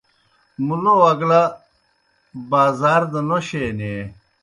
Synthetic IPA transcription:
mulowɐɡla | baːzaːɾd̪ɐnoɕeːne

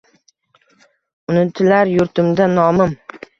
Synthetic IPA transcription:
ʊnɪt̪ʰɪlaɾjʊɾt̪ʰɪmd̪anɒmɪm

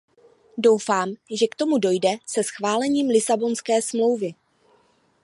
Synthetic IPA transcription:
do̞wfaːmʒɛkt̪o̞mudo̞jdɛsɛsxvaːlɛɲiːmlɪsabo̞nskɛːsmlo̞wvɪ

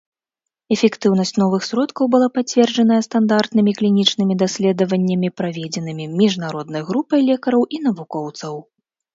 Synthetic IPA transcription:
ɛfʲɛkt̪ɨwnɐsʲt͡sʲnɔvɨxsʲɾɔt̪kɐwbɨlˠapat͡sʲvʲɛrd͡ʐɐnɐjɐst̪and̪art̪nɨmʲiklʲinʲit͡ʂnɨmʲid̪asʲlʲɛd̪ɐvɐnʲːɐmʲipɾavʲɛd͡zʲɛnɨmʲimʲiʐnaɾɔd̪nɐjɣɾupɐjlʲɛkɐɾɐwʔinɐvukɔwt̪sɐw

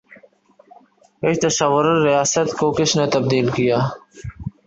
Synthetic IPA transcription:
et̪ɐʃɐwʊɾɾijaːsət̪koːkɪʃnet̪ɐb̚d̪iːlkijaː

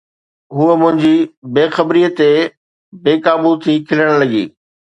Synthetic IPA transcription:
ɦuəmʊ̃ɦɪ̃ɲd͡ʑibeːxɐbɾiːət̪e | beːkaːbut̪ʰiːkʰɪləɽ̃lɐɠḭː

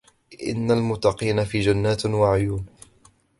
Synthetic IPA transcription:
ʔɪ̰nːalmʊt̪ːɑqiːnafiːd͡ʒanːaːt̪waʕʊjuːn

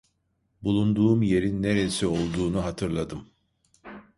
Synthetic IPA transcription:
bulˠund̪uːmje̞ɾinːeɾeisio̞lˠd̪uːnuɦat̪ʰɯɾlˠad̪ɯm

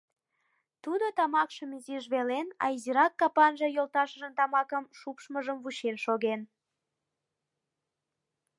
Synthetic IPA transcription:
t̪ud̪ot̪ɑmɑkʃəmiziʒβelenɑ̰iziɾɑkːɑpɑnʒɤjolˠt̪ɑʃəʒənt̪ɑmɑkəmʃupʃməʒəmvuɕenʃoɣen

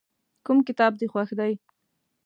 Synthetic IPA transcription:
kʊmkɪt̪ɑb̚d̪exwaxd̪aj

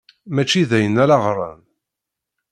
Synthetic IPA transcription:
mæt͡ʃːiðæjənːæɾɑʁɾˤɑ̰n

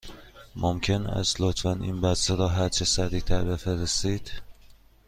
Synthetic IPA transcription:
mʔomcʰe̞næ̰zlot̪ʰfænḭːnbæseɾɒːɦæɾt͡ʃʰesæɾiːt̪ʰæɾbe̞feɾest̪iːd̪̥

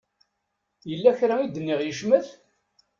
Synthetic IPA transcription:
jəlːæçɾaid̪ənːɪʁjəʃməθ

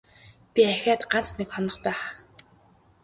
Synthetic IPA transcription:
pʲiæxʲaːt̪ɢan̥t͡snekχɔnɞ̆χpæːχ

